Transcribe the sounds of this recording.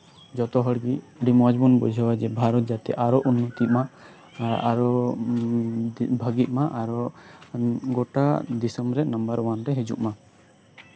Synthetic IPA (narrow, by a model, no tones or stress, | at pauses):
d͡ʒɔt̪ɔɦəɽɡi | ɖimɔd͡ʒbɔnbɔ̰d͡ʒʱɔwad͡ʒɛbʱaɾɔt̪̚d͡ʒat̪ɛ̰ʔaɾɔʔunːɔt̪iʔma | aɾɔ | bʱəɡiʔ̚maʔaɾɔ | ɡɔʈad̪isəmɾɛnəmbəɾwanɾɛɦɛd͡ʒṵʔma